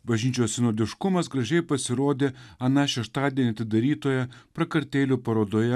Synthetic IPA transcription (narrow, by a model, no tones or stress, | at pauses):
bɐʒʲnʲiːt͡ʃʲoːssʲɪnoːd̪ʲɪʃkʊmɐsɡɾɐʒʲɛɪpɐsʲɪɾoːd̪ʲeːɐnɑʃʲɛʃt̪ɑːd̪ʲiɛːnʲɪɐt̪ʲɪd̪ɐɾʲiːt̪oːjɛpɾɐkɐɾʲt̪ʲeːlʲuːpɐɾoːd̪oːjɛ